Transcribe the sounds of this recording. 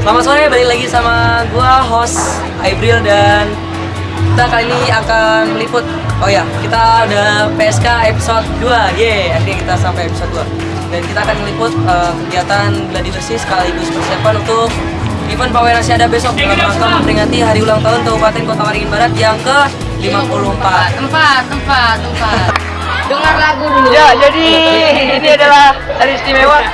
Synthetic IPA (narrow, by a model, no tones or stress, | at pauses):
səlamat̪soɾajbaliklaɡisamaduaɦɔs | ajbɾildan | kit̪akaliniakanməlifʊt̪̚ojakit̪adəpeɛskaepi̥sɔt̪̚duajɛakt̪ɲakit̪asampajepisɔt̪̚dua | dankit̪aːkanməlipʊt̪̚əmkəɡiat̪anɡəladibərsɪsə̥kaliɡʊspərsiapanunt̪ʊk̚ | ɡimanpawenasiadabesɔk̚kanamakaməmpəɾiŋat̪iɦaɾiulaŋt̪aɦʊnt̪abupat̪ɪnkot̪amaɾiŋɪnbaɾat̪jaŋkə | limapuluhəmpat̪ːəmpat̪ːəmpat̪ːəmpat̪̚ | dəŋarlaɡuduujad͡ʒadiiniadalahdalist̪imewa